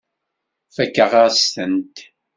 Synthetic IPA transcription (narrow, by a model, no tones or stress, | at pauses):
fækːəʁaʁst̪ənt̪